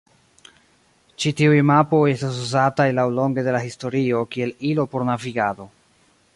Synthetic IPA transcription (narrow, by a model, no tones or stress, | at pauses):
t͡ʃitiujmapo̞je̞stas̬uzatajlawlo̞ŋɡe̞de̞lahisto̞ɾio̞kie̞lilo̞po̞ɾnaviɡado̞